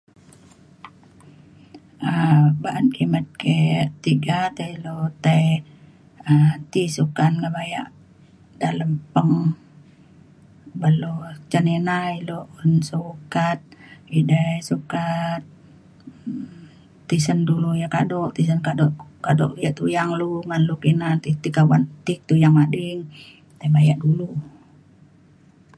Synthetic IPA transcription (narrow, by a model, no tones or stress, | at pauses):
əbaʔənkimət̪̚ket̪iɡat̪ailot̪aj | ət̪isukanŋabaja̰ʔ | daləmpəŋ | bəlot͡ʃənenailoʔunsukat̪̚idasukat̪̚ | isəndulujaka̰dɔʔt̪is̬ənkadɔʔkadɔ̰ʔjaʔt̪ujaŋluŋanlukinant̪it̪ikawant̪ik̚t̪ujaŋmadiŋ | t̪abajaʔdulu